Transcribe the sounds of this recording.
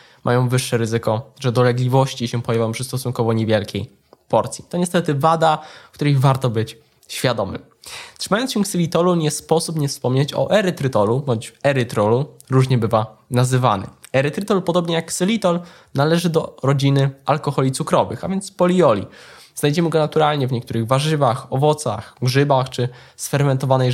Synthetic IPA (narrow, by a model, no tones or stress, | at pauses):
mʔa̰jɔ̃w̃vɘʂːɛɾɘzɘkɔʐɛd̪ɔlɛɡlʲivɔɕt͡ɕiɕɛpɔjavjɔ̃mpʂɘst̪ɔsuŋkɔvɔɲɛvʲjɛlkʲḛj | pɔɾt̪sʲji̥t̪ɔɲɛst̪ɛt̪ɘvad̪ak̚t̪uɾɛjvaɾt̪ɔbɘt͡ɕ | ɕfʲjad̪ɔmɘ̰m | t̪ʂɘmajɔnsɕɛksɛlʲit̪ɔluɲɛspɔsupɲɛfspɔmɲet͡ɕɔ̰ʔɛɾɘt̪ɾɘt̪ɔlubɔɲt͡ɕɛɾɘt̪ɾɔlu | ɾuʐɲɛbɘvanazɘva̰nɛ̰ɛɾɛt̪ɾɘt̪ɔlpɔd̪ɔbɲɛjaksɛlʲit̪ɔl | nalɛʐɘd̪ɔɾɔd͡ʑinɘalkɔxɔlʲit̪sukɾɔvɘ̰xa̰vʲjɛnt̪spɔlʲiɔlʲḭ | znajd͡ʑɛmɘɡɔnat̪uɾalɲɛvɲɛk̚t̪uɾɘɣvaʐɘvaxɔvɔt̪sa̰xɡʐɘbaxt͡ʂɘ | sfɛɾmɛnt̪ɔvanɛ